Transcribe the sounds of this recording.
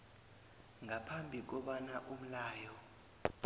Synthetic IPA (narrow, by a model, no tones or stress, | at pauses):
ŋʱapʰambʱik̬ɔɓanaʔum̩laːjɔ